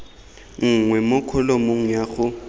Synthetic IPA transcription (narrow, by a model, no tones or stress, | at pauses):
ŋ̩ŋwɛmʊkʰɔlomoŋ̩jaχʊ